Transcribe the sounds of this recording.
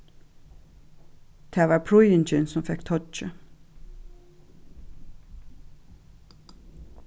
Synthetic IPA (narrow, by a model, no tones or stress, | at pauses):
d̪̥ʰeːʋɑːɹpʰɹʊʏənt͡ʃɪnsɔmfɛkt̪ʰɔt͡ʃə̰